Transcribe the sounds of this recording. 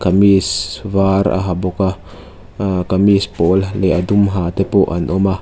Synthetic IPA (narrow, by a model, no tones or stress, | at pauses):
kamisvaɾa̰ɦaboka | kamispolleʔad̪umɦat̪epoʔanʔɔma